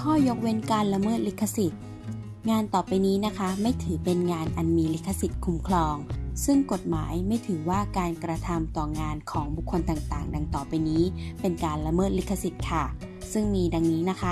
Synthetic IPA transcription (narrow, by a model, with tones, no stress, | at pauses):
kʰɔː˥˩jo˦˥k̚we˦˥nkaː˧nla˧mɤː˥˩t̪̚li˦˥kʰːa˧si˨˩t̪̚ | ŋaː˧nt̪ɔː˨˩pa˧jniː˦˥na˦˥kʰa˦˥ma˥˩jt̪ʰɯː˩˦pe˧nŋaː˧nʔa˧nmiː˧li˦˥k̪ʰːa˧si˨˩t̪̚kʰu˧mkʰlɔː˧ŋsɯ˥˩ŋko˨˩t̪̚maː˩˦jma˥˩jt̪ʰɯː˩˦waː˥˩kaː˧nkɾa˧t̪ʰa˧mt̪ɔː˨˩ŋaː˧nkʰɔː˩˦ŋbu˨˩kʰːo˧nt̪aː˨˩ŋt̪aː˨˩ŋda˧ŋt̪ɔː˨˩pa˧jniː˦˥pe˧nkaː˧nla˧mɤː˥˩t̪̚li˦˥k̪ʰːa˧si˨˩t̪̚kʰa˥˩ | sɯ˥˩ŋmiː˧da˧ŋniː˦˥na˦˥kʰa˦˥